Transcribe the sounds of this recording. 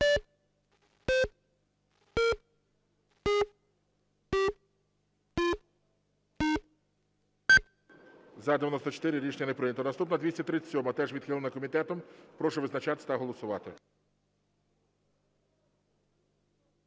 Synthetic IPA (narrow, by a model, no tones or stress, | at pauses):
zɐd̪ejɐnɔst̪ɔt͡ʃe̥t̪ɪɾɪɾʲit͡ʃnʲɐnepɾɪnʲɐt̪ɔnɐst̪upnɔd̪ʋʲisʲɐt̪ɾɪt͡sʲːsʲɔmɐt̪ɛʐʋʲid̪̥xɪlˠɐnɐkɔmʲit̪ɛt̪ɔmpɾɔʃɔʋɪznɐt͡ʃɑt̪t̪ɐɦɔlˠɔsʊʋɑt̪ɪ̰